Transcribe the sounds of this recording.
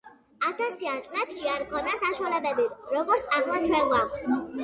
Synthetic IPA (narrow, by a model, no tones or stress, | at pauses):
at̪ʰasiant̪ʼlɛt̪ʼʃiaɾkʰɔnasaʃualɛbɛbiɾɔɡɔɾtssʼanvat̪sʰwɛlɡakʰs